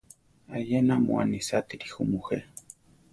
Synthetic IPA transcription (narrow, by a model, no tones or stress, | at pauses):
ajenamṵa̰nisat̪iɾixumuxe